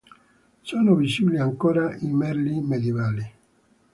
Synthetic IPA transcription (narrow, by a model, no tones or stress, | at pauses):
soːnovit͡ʃːiliaŋkoːɾaimɛɾlimed̪jevaːli